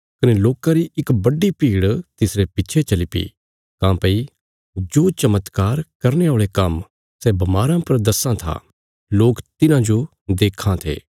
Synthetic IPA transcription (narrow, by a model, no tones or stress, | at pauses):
kɐneloːkãɾiɪkbɐɖːipiːɽt̪ɪsɾepɪtːt͡ʃʰet͡ʃɐlipḭ | kãːpɐi | d͡ʒoːt͡ʃɐmət̪kaːɾkɐɾneoːɭekɐm | sɛbɐmaːɾãpɐɾd̪ɐsãt̪ʰa̰ | loːkt̪ɪnãd͡ʒo | d̪eːkʰːãt̪ʰḛː